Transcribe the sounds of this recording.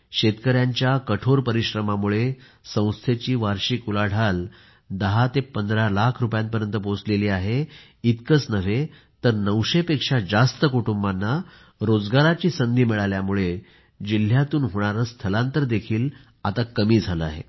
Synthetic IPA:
ɕet̪kəɾjaɲt͡ɕjakəʈʰoɾpəɾiɕɾəmamuɭe | sə̃w̃st̪ʰet͡ɕiːʋaɾɕiːkulaɽ̤ʱal | d̪əɦat̪epənd̪ɾalakʰɾupjãnt̪pəɾjənt̪əpot͡sleliːaɦe | it̪kət͡snəʋ̤e | t̪əɾnəʋɕepekʂad͡zast̪əkuʈumbanːa | ɾod͡zɡaɾat͡ɕiːsənd̪ʱiːmiɭaljamuɭe | d͡ʑil̤jat̪uːnɦoɽ̃aɾəst̪ʰəlãnt̪əɾd̪ekʰiːl | at̪akəmiːd͡zʱaləaɦḛ

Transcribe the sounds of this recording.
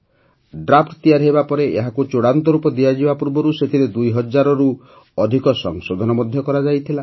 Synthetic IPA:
ɖɾapʰʈt̪ijaɾɦebapɔɾeeɦakut͡ʃoɽant̪ɔɾupɔd̪iad͡ʒibapuɾbɔɾuset̪ʰiɾed̪ujɦɔd͡ʒaɾɔɾu | ɔd̪ʱikɔsɔŋsod̪ʱɔnɔmɔd̪ʱjɔkɔɾad͡ʒajt̪ʰila

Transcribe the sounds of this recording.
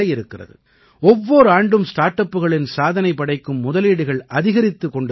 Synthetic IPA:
ɐjɪɾɯkːɪrɐ̰ðɯ̰ | ɔʋːoːɾɯaːɳɖɯmsʈaːɾʈɐpːɯɣɐɭɪnsaːðɐnɐɪpːɐɽɐɪkːɯmːʊðɐliːɽɯɣɐɭʔɐðɪɣɐɾɪt̪ːɯkːɔɳɖɯ

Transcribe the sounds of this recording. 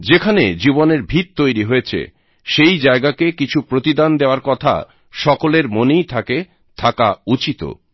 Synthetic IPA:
d͡ʑekʰaned͡ʑiboneɾbʱit̪̚t̪ojɾiɦojet͡ɕʰḛ | ʃejd͡ʑaeɡakekit͡ɕʰupɾot̪id̪and̪eoaɾkɔt̪ʰa̰ | ʃɔkoleɾmonejt̪ʰake | t̪ʰaka̰ut͡ɕit̪o̰

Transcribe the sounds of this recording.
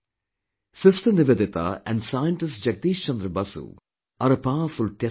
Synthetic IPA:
sɪstʰɐnɪʋed̪ɪt̪a̰ʔɛ̰̃ɳɖsaːjəɳʈɪsʈd͡ʒɐk̚t̪iːʃt͡ʃɐnd̪ɾɐbɐsṵ | ɐɾɐpaːfulʈe

